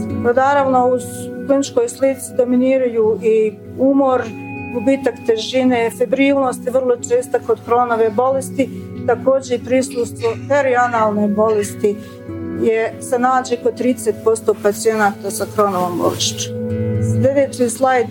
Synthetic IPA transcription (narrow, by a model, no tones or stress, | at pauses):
onaːɾaʋno̞uzklinit͡ʃko̞jslit̪sid̪o̞miniːɾajuːi | umoɾɡubiːt̪akt̪e̞ʒine̞ːfebɾiːlno̞ːst̪jeʋərlˠo̞t͡ʃe̞ːst̪ako̞d̪kɾo̞noʋebo̞lest̪it̪ako̞ːd͡ʑe̞ipɾisust̪ʋofeɾianaːlˠnebo̞lest̪i | jesenaːd͡ʑekot̪ɾiːd̪eset̪̚po̞st̪o̞pat̪sije̞naːt̪asakɾo̞noʋombo̰ɾʃit͡ɕslʲe̞d̪eːt͡ɕiːslˠajd̪